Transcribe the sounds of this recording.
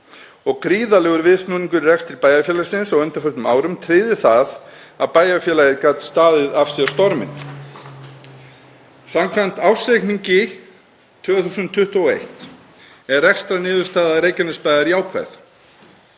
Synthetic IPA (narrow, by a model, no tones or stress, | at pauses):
ɔɣkɾiːðalɛɣʏɾvɪðsnuːniŋkʏɾrɛkst̪ɾɪɾpaːjafjɛːlasɪnsawœnt̪ʏɾfœht̪ʏma̰ːwɾʏmt̪ʰɾɪːðɪθað | apaːjafjɛːlajɪkaːt̪st̪aːðɪðafsɛast̪ɔɾmɪ̰n | samkʰvam̥t̪awsejkniɲcɪ | t̪ʰv̥œːɣθuːsʏnt̪ʰːʏht̪uɔḛjht̪ | ɛɾːɛkst̪ɾanɪːðʏɾ̥st̪aːðaɾeːjcɪnɪspajðaɾiaːwkʰva̰jθ